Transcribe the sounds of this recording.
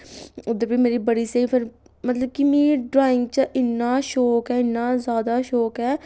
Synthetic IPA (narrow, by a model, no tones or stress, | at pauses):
ʊd̪əɾbimeːɾibəɽiseːfʰəɾ | mɐt̪ləb̚kimiːɖɾaːɪ̃ŋɡ̚t͡ʃəʔɪnːaʃoːkɦɛːɪnːazjaːd̪aʃoːkɦɛː